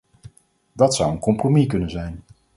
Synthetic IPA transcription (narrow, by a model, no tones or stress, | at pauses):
dɑtsʌwənkɔmpromikɵnənzɛjn